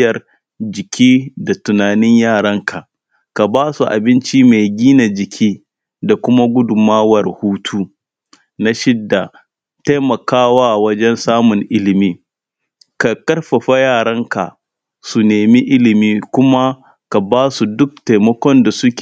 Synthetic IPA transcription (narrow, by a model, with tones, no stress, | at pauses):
jɐ˨r | d͡ʒɪ˨kʲʰiː˦da˨tʊ˨naː˨nɪ˦ɲjaː˦˨ɽɐ˦ŋkʰa˨ | ka˨baː˦su˨ʔa̰˨bɪ˦nt͡ʃi˦me˨jɡʲiː˦na˨d͡ʒɪ˨kʲʰiː˦ | da˨kʷʊ˦ma˦ɡʷʊ˦dʊ˨maː˦wɐ˨rhuː˦tʰuː˦ | na˦ʃɪ˦dːa˨ | ta˦mɐ˨kaː˦waː˦wɐ˦d͡ʒɛ˦nsaː˦mʊ˨ŋʔɪ˦lɪ˨miː˦ | ka˨kɐ˦rɸɐ˨ɸa˦jaː˦˨ɽɐ˦ŋka̰˨ | su˨neː˨mi˦ʔɪ˦lɪ˨miː˦kʷʊ˦ma˦ | ka˨baː˦su˨dʊ˦k̚ta˨jmɔ˦kʷɔ˦nda˨sʊ˦kʲː